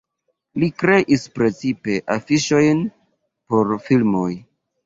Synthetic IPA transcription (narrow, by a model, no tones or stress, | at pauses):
likɾe̞ʔispɾe̞t͡sipe̞ʔafiʃo̞jn | po̞ɾfilmoj